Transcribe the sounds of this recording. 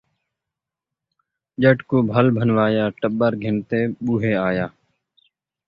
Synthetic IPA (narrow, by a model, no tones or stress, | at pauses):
ʄəʈkoːbʱəlbʱənʋaːjaːʈəɓəɾɡʱɪnt̪eːɓuːɦeːaːjaː